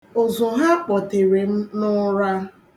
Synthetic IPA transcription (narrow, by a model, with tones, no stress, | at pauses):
o˨zʊ˨ɦa˦k͡pɔ˨te˨ɾe˨m̩˦nʊ˦ɾa˦